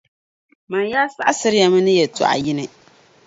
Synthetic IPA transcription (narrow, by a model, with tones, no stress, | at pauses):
ma˨n˦jaː˦sa˦ʔa˦sɨ˦ɾɪ˦ja˨mɨ˦nɨ˦jɛ˨tṵ˨ʔa̰˨jɪ˦nɨ˨